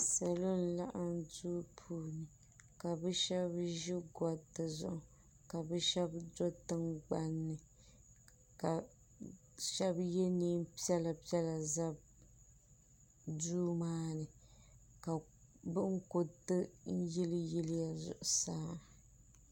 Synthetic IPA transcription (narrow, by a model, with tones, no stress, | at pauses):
sa˨lo˦n̩˦la˦ʔa˦n˦duː˦pʰuː˦nɨ˨ | ka˨bɛ˦ʃɛ˦bʒi˦ɡɔ˨tːɨ˨zʊ̰˦ʔʊ˨ | ka˨bɛ˦ʃɛ˦bdo˦tɨ˦ŋɡ͡ba˦nːɨ˨ | ka˨ | ʃɛ˦bjɛ˦niː˦m˦pi˦ɛ˦la˨pi˦ɛ˦la˨za˦b | duː˦maː˦nɨ˨ | ka˨ | bɨ˦ŋ̩˦ko˨tɨ˦n̩˦jɪ˦lji˦lɪ˦ja˨zʊ̰˨ʔʊ˨saː˦